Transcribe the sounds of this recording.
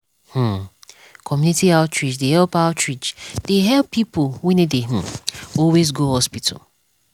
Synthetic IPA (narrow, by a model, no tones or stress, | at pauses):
h̩ | kʰɔmjunitiaʊtɹid͡ʒdehɛlpaʊtʰɹid͡ʒd̥eɦɛlpːipowɛ̃nedeh̩ɔlwezɡohɔspitʰə̰l